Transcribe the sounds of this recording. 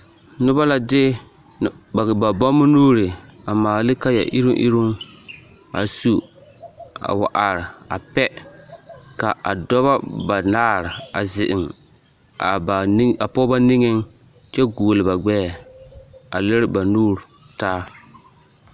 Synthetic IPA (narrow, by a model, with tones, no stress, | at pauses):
nʊ˦ba˦la˨dɪ˦˨ | a˨ba˨bɔ˦mʊ˦nuː˦ɾɪ˨a˨maː˨lɪ˦ka˦ja̰˨ʔi˦ɾʊ˦ʔḭ˦ɾu˦n | a̰˨su˦ | a̰˨wa˨ʔa˨ɾɪ˨a̰˨pɛ˦ | ka˨ʔa̰˨dɔ˦βa˦ba˨naː˦ɾɪ˨a̰˨zɪ˨ʔɪ˨m | a˨ba˨˦a˨pɔ˦ba˦ni˦ŋɪ˦n | t͡ʃɛ˦ɡuː˨lɪ˨ba˨ɡ͡bɛː˦˨ | a˨lɪ˦ɾba˨nuː˦ɾ | taː˦